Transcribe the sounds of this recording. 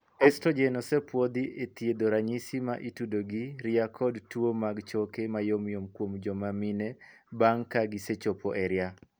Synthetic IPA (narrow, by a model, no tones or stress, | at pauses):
ɛstod͡ʒenɔsɛpwod̪iʔet̪jed̪oɾaɲisima̰ʔitudoɡiɾiakʰɔdtwomaɡt͡ʃokemajomjomkwomd͡ʒɔmamine | baŋkaɡiset͡ʃopoʔɛɾja